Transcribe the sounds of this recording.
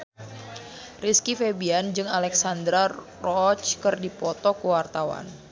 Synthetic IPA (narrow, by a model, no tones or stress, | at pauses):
riskifebiand͡ʒɨŋalɛksand̪ɾa | rɔt͡ʃkɨrdipɔt̪ɔkəwart̪awa̰n